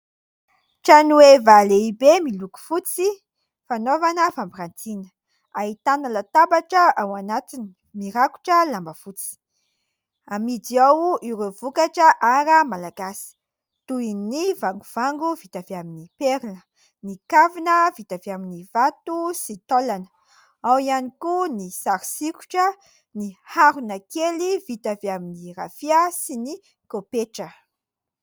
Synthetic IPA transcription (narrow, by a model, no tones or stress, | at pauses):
ʈ͡ʂanuwevaleibemiluku̥fut͡si | fanovanəfambiɾant̪in | ait̪anəlat̪abaʈ͡ʂəawanat̪inii̥miɾaku̥ʈ͡ʂəlambəfut͡si̥ | amid͡ziawʔiɾevukaʈ͡ʂəʔaɾəmalaɡasi̥ | t̪uinivaŋɡuv̥aŋɡuvit̪aveaminipeɾinə | nikavinəvit̪aveaminivat̪usit̪olanə̥ | awianikunisaɾisiku̥ʈ͡ʂə | nihaɾunəkelivit̪aveaminirafiasini | kopeʈ͡ʂə